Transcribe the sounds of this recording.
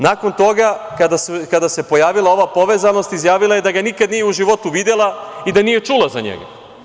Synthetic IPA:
nako̞nt̪o̞ɡakad̪askad̪ase̞po̞jaːʋilˠao̞ʋapo̞ʋezano̞st̪izjaːʋilajed̪aɡanikad̪nijeuʒiʋo̞t̪uʋid̪elˠaid̪anije̞t͡ʂulˠazaɲḛɡa̰

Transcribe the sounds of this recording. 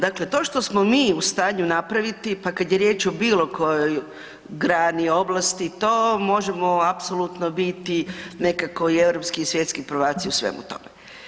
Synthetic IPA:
d̪akle̞t̪o̞ːʃt̪o̞smo̞miːust̪aːɲunapɾaʋit̪ipakad̪jeɾjeːt͡ʃobiːlo̞ko̞joj | ɡɾaːnio̞blˠast̪it̪oːmo̞ʒemo̞apsolˠut̪nobit̪ine̞kako̞ie̞ʋɾo̞pskiisʋje̞t̪skipɾoʋaːt̪siusʋḛmṵt̪o̞̰me

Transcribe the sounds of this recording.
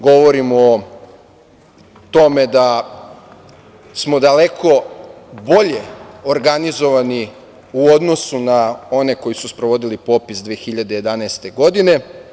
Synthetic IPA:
ɡo̞ʋo̞ɾimː | t̪o̞me̞d̪a | smo̞d̪alekʰo̞boʎeoɾɡanizo̞ʋani | uo̞d̪no̞sunao̞ne̞ko̞jisuspɾoʋo̞d̪ilipo̞pisd̪ʋeːxiʎad̪eje̞d̪anaest̪e̞ɡo̞d̪ine̞

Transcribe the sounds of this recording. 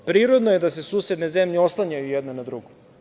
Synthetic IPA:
pɾiːɾod̪noje̞d̪ase̞suːsjed̪ne̞zemʎeoslˠaɲajujɛd̪nonad̪ɾuɡo

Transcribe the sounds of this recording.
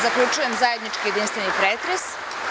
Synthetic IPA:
zakʎʲut͡ʃuje̞mzajed̪nit͡ʃkije̞d̪inst̪ʋenipɾeːt̪ɾes

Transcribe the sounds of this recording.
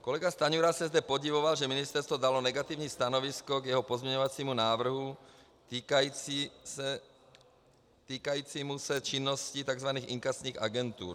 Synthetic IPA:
kɔlɛɡast̪aɲuɾasɛzd̪ɛpoɟivoʋalʒɛminist̪ɛɾst̪vod̪alɔnɛɡat̪ivɲiːst̪anɔʋiskɔɡjɛɦɔpɔzmɲɛɲɔʋat͡siːmunaːʋr̩ɦu | t̪ikaiiɛ | t̪iːkajiːt͡siːmusɛt͡ʃinːɔscit̪aɡzʋaniːxiŋkast̪ɲiːɣa̰ɡɛnt̪ṵːɾ

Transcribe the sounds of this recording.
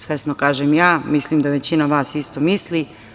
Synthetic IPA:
sʋesnokaːʒemjaːmislimd̪aʋe̞t͡ɕinaʋaːsist̪omisli

